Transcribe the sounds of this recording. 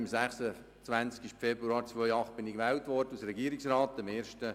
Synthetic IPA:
msæχsə | t͡svænt͡skɪʃfɛbɾuɑːɾt͡sʋœjɑχt̚b̥ɪnikʋɛːwtʋɔrdəusɾɛɡiːəɾɪksrɑːt̪ːɪmeːɾʃtə

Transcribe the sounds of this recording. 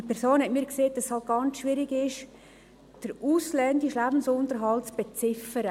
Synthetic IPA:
ipʰɛɾsoːnhɛtmiːɾkseːd̥ɑsshɑlt̚ɡ̥ɑnt͡sʃʋɪɾɪɡɪʃ | d̥əɾuːslɛndɪʃlæbn̩sʊntəɾɦɑltt͡sb̥et͡sɪfəɾə

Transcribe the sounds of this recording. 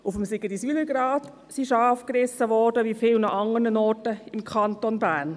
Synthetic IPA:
ʊfəmsɪɡədisyːləɾɡɾɑːt | siʃɑːfkɾɪsːəʋɔɾdəʋifɪːlnɑχɑŋəɾnənɔːɾtəɪmkʰɑntonbæːɾn

